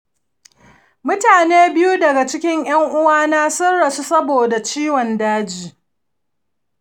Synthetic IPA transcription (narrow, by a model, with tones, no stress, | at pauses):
mʊ˦taː˨neː˦bɪ˦ju˦dɐ˨ɡa˨t͡ʃɪ˦kʲɪ˦ŋj̰ɐ˦ŋʔʊ˦waː˦naː˦sɐ˦ɽːa˨su˦sɐ˦boː˨da˨t͡ʃiː˦wɔ˨ndaː˦d͡ʒiː˦